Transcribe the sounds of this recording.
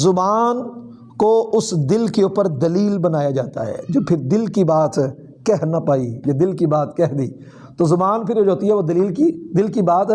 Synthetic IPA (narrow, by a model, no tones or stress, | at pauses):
zʊbaːn | koʊsd̪ɪlkeuːpəɾd̪ɐliːlbɐnaːjad͡ʒaːt̪aɦɛ̰ːd͡ʒoːpʰɪɾd̪ɪlkibaːt̪ | kɛɦnɐpaːijad̪ɪlkibaːt̪kɛɦd̪iː | t̪ozʊbaːnpʰɪɾod͡ʒoːt̪iɦɛʋod̪ɐliːlkid̪ɪlkibaːt̪